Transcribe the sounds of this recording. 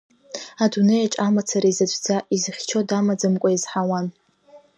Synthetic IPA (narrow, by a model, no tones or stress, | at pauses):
adunejaʈ͡ʂʼamat͡sʰaɾaizat͡ʃʷʰʼd͡zaizɨχʲt͡ʃʰo̞damad͡zɨmkʷʼaizħawan